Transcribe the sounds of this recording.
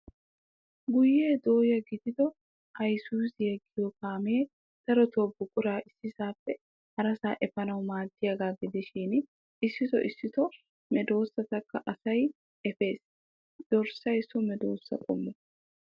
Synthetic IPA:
ɡʊjːeːd̪oːjɐɡɪd̪ɪd̪ɔ | hɐjsuːsjɛɡːɪjɔkaːmeː | d̪̥ɐɾɔt̪oːbːʊkʼʊɾaːʔɪsːɪsaːfːɛ | hɐɾɐsaːʔɛfɐnɐwmaːd̪ːɪjɐɡaːɡɪd̪ɪʃiːn | ɪsːɪt̪ɔ̰ʔɪsːɪt̪ɔ | mɛd̪o̞ːsːɐt̪ɐkːɐʔɐsɐj | ɛfe̞ːs | d̪̥ɔɾsɐjsɔmɛd̪o̰ːsːɐ̰kʼɔ̰mːɔ

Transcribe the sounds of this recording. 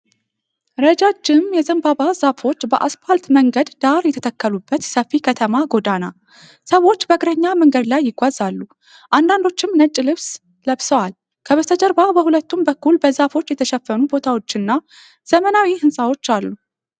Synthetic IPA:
ɾəd͡ʒad͡ʒɪmjɛzəmbabaz̥afo̞t͡ʃːbəʔasfalt̪məŋɡəd̪d̪aɾjɛt̪ʰət̪ʰəkːəlubːət̪səfːikʰət̪ʰəmaɡo̞d̪ana | səwo̞t͡ʃːbəɡɾəɲːaməŋɡəd̪lajːɪɡʷazalːu | ʔand̪and̪o̞t͡ʃːɪmnət͡ʃʼːlɨβs | ləβsəwal | kʰəβəst̪ʰəd͡ʒəɾbabəhulət̪ːumbəkːulbəzafo̞t͡ʃːjɛt̪ʰəʃɛfːənubo̞t̪ʰawo̞t͡ʃːɪnːa | z̥əmənawihɨnsʼawo̞t͡ʃːalːu

